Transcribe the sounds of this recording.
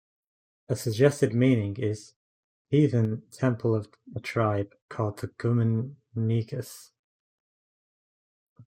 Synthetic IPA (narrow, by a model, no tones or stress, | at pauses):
ɨsɨɡ̚d͡ʒɛstɨd̚mĩnɪ̃ŋɪz̥ | hiðɨ̃ntʰɛ̃mpʰl̩ˠʌv̥ | ətʰɹ̥aɪb̥̚kʰɔlˠd̪̚ðɨɡ̥ʉmɨnː | iɡɨs